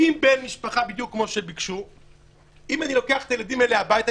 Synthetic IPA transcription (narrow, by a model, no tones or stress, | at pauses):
imbenmiʃpaχabid̪jukːmo̞ʃebikʃu | imanilo̞keaχe̥t̪ajelad̪imeleabait̪a